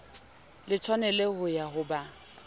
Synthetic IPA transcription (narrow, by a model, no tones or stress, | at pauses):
lɪt͡sʰwanɛlehʊjaɦʊba